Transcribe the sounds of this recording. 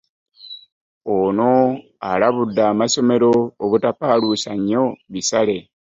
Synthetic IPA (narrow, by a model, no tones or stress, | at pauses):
ono̞ | alaβudːaːmaso̞me̞ɾo̞ːβutapaːlusaɲːo̞βisale̞